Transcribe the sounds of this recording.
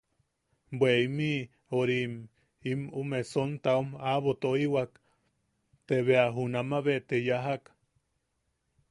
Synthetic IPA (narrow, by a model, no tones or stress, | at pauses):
bweimi | oɾim | imumesont̪aumaβot̪oiwak | t̪eβeaɦunamaβet̪ejaɦak